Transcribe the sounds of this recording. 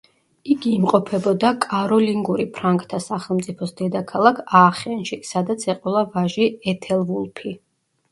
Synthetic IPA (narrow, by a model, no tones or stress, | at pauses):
iɡiːmqʼɔpʰɛbɔd̪akʼaɾɔliŋɡuɾipʰɾaŋkʼt̪ʰasaχɛlˠmt̪sʼipʰɔsd̪ɛd̪akʰalˠakʰaːχɛnʃisad̪at̪sʰɛqʼɛlˠavaʒiɛt̪ʰɛlˠvulˠpʰi